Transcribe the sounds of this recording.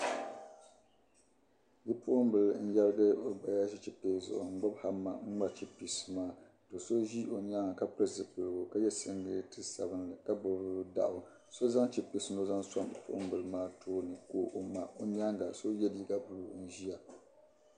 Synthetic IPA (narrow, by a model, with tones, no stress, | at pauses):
ji˦pʊ˦ʔʊ˦mbɨ˨ln̩˦jɛ˦lɨ˦ɡɨ˦o˨ba˨ja˦ʒi˦t͡ʃi˨peː˦zʊ̰˨ʔʊ̰˨ŋ͡m̩˦ɡ͡ba˦bha˦mːa̰˨ŋ̩˦ŋ͡ma˦t͡ʃi˦pi˨sɨ˨maː˦ | do˨so˦ʒi˦o˨ɲ˦a˦ŋa˨ka˦pɨ˦zɨ˨pɨ˨ɾɡo˨ka˦jɛ˦sɨ˦ŋɡɨ˦tɨ˦sa̰˨bɨ˦nlɨ˨ka˦bʊ˨bda̰˨ʔʊ˨ | so˦za˦ŋt͡ʃi˦pi˨sɨ˨no˦za˦ŋsa˦m˨pʊ̰˦ʔʊ̰˦m˦bɨ˨lmaː˦tʰoː˦nɨ˨ko˦ʔo˨ma˨o˨ɲ˦a˦ŋɡa˨so˦jɛ˦li˨ɡa˦bu˨lu˨n̩˦ʒi˦ja˨